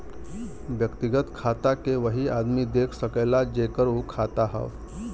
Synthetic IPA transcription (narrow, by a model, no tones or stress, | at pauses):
ʋjəkt̪iɡət̪kʰat̪akeʋəɦiad̪miːd̪ekʰsəkəjlad͡ʑekəɾukʰat̪aɦə̰ʋ